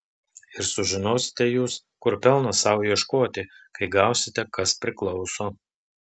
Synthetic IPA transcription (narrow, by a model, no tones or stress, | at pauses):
ɪɾsʊʒʲɪnoːsʲɪ̥t̪ʲɛjuːs | kʊɾpʲɛlˠnɐsɐʊjiɛʃkoːt̪ʲɪkɐɪɡɑˑʊsʲɪt̪ʲɛkɐspʲɾʲɪklˠɒʊsoː